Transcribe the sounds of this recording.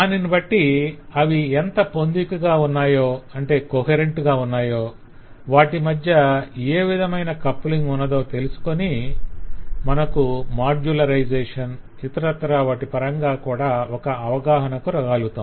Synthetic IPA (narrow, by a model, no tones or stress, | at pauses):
aːninibɐʈːiɐʋiɛnt̪ɐpo̞nd̪ikɐɡaːunːaːjo̞ːɐɳʈe̞ːkoɦeɾe̞ɳʈɡaːunːaːjo̞ː | ʋaːʈimɐd̪ʱjɐeːʋid̪ʱɐmɐjnɐkɐpːliŋɡunːɐd̪o̞ːt̪e̞lusu̥koni | mɐnɐkumaːɾd͡ʒulɐɾɐjd͡ʒɛːʂɐn | it̪ɐɾɐt̪ːɐɾaːʋaːʈipɐɾɐŋɡaːkuːɽaːɔkɐɐʋɐɡaːɦɐnɐkuɾɐɡaːlut̪am